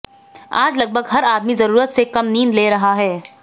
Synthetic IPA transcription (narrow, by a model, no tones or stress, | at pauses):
a̰ːd͡ʒlɐɡ̚bʱəɡɦɐɾaːd̪mizɐɾuːɾət̪sekɐmniːnleːɾɐɦaɦɛː